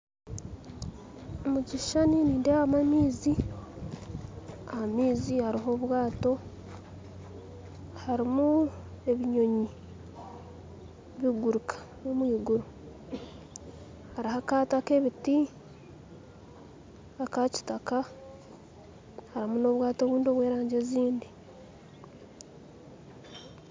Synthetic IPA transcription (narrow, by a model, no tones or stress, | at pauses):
omuɟiʃaniniːndehamamiːzi | ahamiːzihaɾiɦo̞βwaːto̞ | haɾimu | e̞βiɲo̞ɲi | βiɡuɾukʰḁ | nomwiːɡuɾu | haɾihakaːtake̞βiti | akaci̥taka | haɾimuno̞ːβwaːto̞βuːndio̞βwe̞ːɾaːɲɟe̞ziːndi